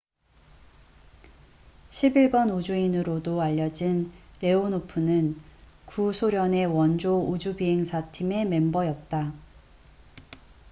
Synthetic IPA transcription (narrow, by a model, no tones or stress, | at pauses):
ɕʰibiɭbʌnud͡ʑuinɯɾodoaʎːʌd͡ʑinɾe̞onopʰɯnɯn | kusʰoɾjʌne̞wʌnd͡ʑoud͡ʑubiɦe̞ŋsʰatʰime̞me̞mbʌjʌt̚t͈a